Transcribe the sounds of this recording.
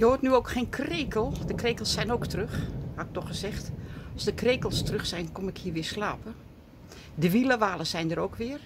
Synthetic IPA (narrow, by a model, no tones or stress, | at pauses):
joːtnyoːkxeːnkʰreːkəlˠdəkreːkəlˠsːɛjnoːktrøxhaɪk̚tɔxəzɛxtɑlˠsdəkreːkəlˠstrøxsɛjnkomɪkhiːəʋɪːslaːpə | dəʋiləʋaːləsɛjndəɾoːkʋɪər